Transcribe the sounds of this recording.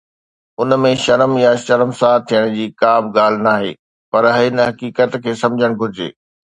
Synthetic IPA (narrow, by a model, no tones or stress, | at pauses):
ʊnmẽʃɐɾmjaʃɐɾmsaːt̪ʰijəɽ̃d͡ʑiːkaːbɡaːl̤ɪnaːɦḛː | pɐɾɦɪɪnɦɐkiːkət̪kʰeːsɐ̃md͡ʑʱəɽ̃ɡʱʊɾɪd͡ʑḛː